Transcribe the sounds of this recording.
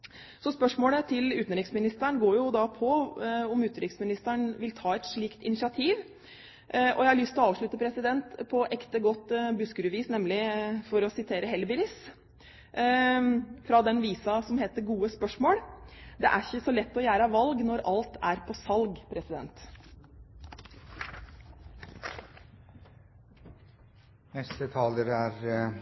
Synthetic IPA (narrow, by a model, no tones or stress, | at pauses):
sɔspœʂmoːlət̪ʰɪlʉːt̪n̩ɾɪksmɪnɪst̪æɳɡoːɾjʊd̪ɑpʰɔɔmʉːt̪nɾɪksmɪnɪst̪æɳʋɪlt̪ʰɑːɛt̪ʂɭiːkt̪ɪnɪsɑt̪ʰiːʋ | ʔɔ̰jæɪhɑɭʏst̪ʰɪlɔɑːʋʂɭʉt̪ːəpʰɾɛsɪd̪ɛnt̪pʰɔʔɛkt̪əɡɔt̪ːbʉskəɾəʋiːsnɛmlɪfɔɾɔsɪt̪ʰeːɾəɦɛlbɪlɪs | fɾɑd̪ɛnʋiːsɑsɔmɦeːt̪əɾɡuːəspœʂmoːɽd̪ɛ̰ʔæɾçəsɔlɛt̪ːɔjæːɾɑʋɑlɡnɔɾɑlt̪ʰæɾpʰɔsɑlɡpʰɾɛsɪd̪ɛnt̪ | nɛst̪ət̪ʰɑːləɾæɾ